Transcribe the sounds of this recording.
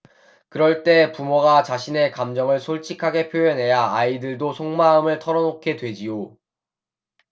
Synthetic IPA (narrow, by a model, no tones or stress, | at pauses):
kɯɾʌɭt͈e̞pumoɡat͡ɕaɕʰine̞kamd͡ʑʌŋɯɭsʰoɭt͡ɕʰikʰaɡe̞pʰjoʌnɦe̞jaaidɯɭdosʰoŋmaɯmɯɭtʰʌɾʌnokʰe̞dwe̞d͡ʑijo